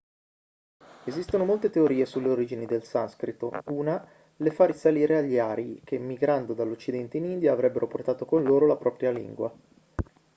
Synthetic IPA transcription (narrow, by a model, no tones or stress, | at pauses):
ezist̪onomolt̪et̪eoɾiːesulːeoɾiːd͡ʒinid̪elsanskɾit̪o̰uːna | lefarisaliːɾeaʎːiaːɾiikemːiɡɾand̪od̪alːot͡ʃːid̪ɛnt̪einind̪jaːvɾɛbːeɾʔoport̪aːt̪okonloːɾolapɾɔpɾjalḭŋɡwa̰